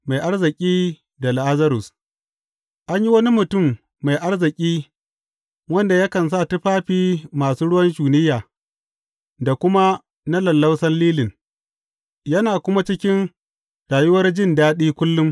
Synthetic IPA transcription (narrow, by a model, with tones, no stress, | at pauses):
ma˨jʔa˦rzɪ˨kʲʼiː˦ | da˨lʔa˦zɐ˦ɾʊ˨s | ʔa˦ɲji˦wɐ˦ni˦mʊ˨tʊ˦˨mː | a˨jʔa˦rzɪ˨kʲʼiː˦ | wɐ˦nda˨jɐ˦kɐ˨ns̬a˦˨tʊ˦ɸaː˦ɸiː˦maː˨suː˦ɽʊ˦wɐ˦nd͡ʒuː˨nɪ˦jːaː˨ | da˨kʷʊ˦ma˦ | na˦lɐ˨lːɐ˦wsɐ˦nliː˦lɪ˨ŋ | jɐ˦naː˨kʷʊ˦ma˦t͡ʃɪ˦kʲɪ˦n | ɽaː˨jʊ˦wɐ˦rd͡ʒɪ˦˨ndaː˦ɗiː˦kʷʊ˦lːʊ˦m